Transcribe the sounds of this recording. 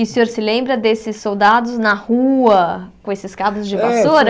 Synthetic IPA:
ɪʊsẽoɾsɪlẽmbɾɐd̪esɪsːowd̪ad̪ʊznɐhuɐkõesɪskadʊzd͡ʒɪvasoɾɐ

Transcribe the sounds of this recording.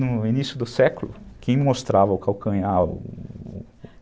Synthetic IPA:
nʊinisjʊd̪ʊsɛkʊlʊ̰kʰẽj̃most̪ɾavɐʊkawkɐ̃jaʊ̰

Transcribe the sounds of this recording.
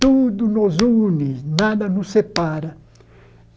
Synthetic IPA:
t̪ud̪unozuninad̪ɐnusepaɾɐ

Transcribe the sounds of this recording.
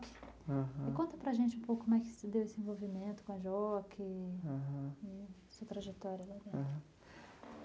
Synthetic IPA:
kɪ̥ãɦɪkõnt̪ɐpɾɐʒẽnt͡ʃɪũpowkʊkom̃ɛkɪ̥sɪd̪ewesɪẽvowvimẽnt̪ʊ̥kõɐʒɔkʰɪãɦɐ̃ɪ | suɐt̪ɾaʒet̪ɔɾjɐlad̪ɛ̃ɐ̃

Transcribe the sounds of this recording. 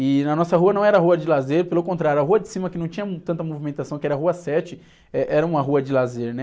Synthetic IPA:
ɪnɐnɔsɐɦuɐnɐ̃w̃ɛɾɐɦuɐd͡ʒɪlazeɾpelʊkõnt̪ɾaɾjuɐɦuɐd͡ʒɪsĩmɐkɪnɐ̃w̃t͡ʃĩɲɐt̪ɐ̃t̪ɐmovimẽnt̪asɐ̃w̃kɪɛɾɐɦuɐsɛt͡ʃɪ | ɛʔɛɾɐũmɐɦuɐd͡ʒɪlazeɾnɛ

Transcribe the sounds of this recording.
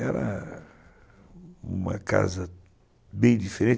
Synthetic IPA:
ɛɾɐ | ũmɐ̰ka̰zɐ | bẽj̃d̪ifeɾẽn

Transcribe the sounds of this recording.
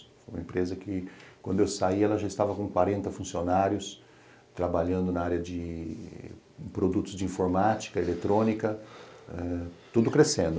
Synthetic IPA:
fojũmɐẽmpɾezɐkɪkwɐ̃d̪ʊewsaiɛlɐʒaɪst̪avɐkõkwaɾẽnt̪ɐfũsionaɾjʊs | t̪ɾabaʎɐ̃nd̪ʊnaaɾjɐd͡ʒɪ̰ | pɾod̪ut̪ʊzd͡ʒɪĩfoɾmat͡ʃi̥kɐelet̪ɾõnikɐɛt̪ud̪ʊkɾesẽnd̪ʊ

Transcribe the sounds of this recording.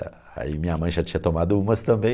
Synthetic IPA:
ɐ̰ | a̰imĩɲɐmɐ̃j̃ʒat͡ʃĩɲɐt̪omad̪ʊũmɐst̪ɐ̃mbẽ

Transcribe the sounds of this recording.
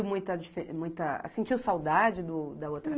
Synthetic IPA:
wmũj̃t̪ɐd͡ʒifemũj̃t̪ɐ̰sẽt͡ʃiwsawd̪ad͡ʒɪd̪ʊd̪ɐot̪ɾɐ

